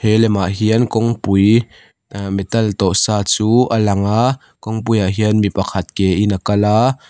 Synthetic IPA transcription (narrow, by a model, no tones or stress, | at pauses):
hɛlɛmaʔɦiənkɔŋpuj | mɛt̪ɐlt̪ɔʔsaːt͡suːʔəlɐŋaʔ | kɔŋpujaʔɦiənmipɐkʰɐt̪̚kɛʔinakɐlaː